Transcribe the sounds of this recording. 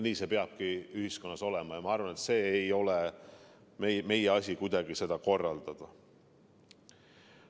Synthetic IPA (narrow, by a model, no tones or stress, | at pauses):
niːse̞pe̞ɑb̥̚kiyɦisko̞nːɑso̞lɛmɑjɑmɑɑrvɑne̞t̪se̞ːjo̞lɛ | meme̞jeɑsʲikujd̪̥ɑɡise̞d̪ɑko̞rːɑld̪̥ɑd̪̥ɑ